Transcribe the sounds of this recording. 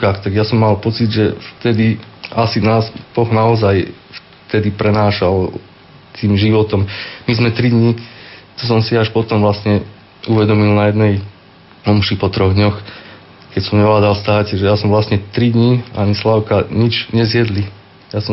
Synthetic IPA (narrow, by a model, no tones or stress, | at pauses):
kaːxt̪aɡjasɔmːalpɔt͡sid̪ʒɛft̪ɛd̪iasinaːzb̥ɔɣnaɔzaj | f | t̪ɛd̪ipɾɛnaːʃal | t̪ʰiːmʒiʋɔt̪ɔmmizmɛt̪ɾid̪ɲit̪ɔs̬ɔmsiaʃpɔt̪ɔmʋlast̪ɲɛ | uʋɛd̪ɔmilnajɛd̪nɛj | ɔmʃipɔt̪ɾɔɣd̪ɲɔx | kɛcsɔmɲɛʋlaːd̪alst̪aːcɛʒɛjasɔmʋlast̪ɲɛt̪ɾid̪ɲiaɲislaʊkaɲid͡ʒɲɛzjɛd̪li | jasɔ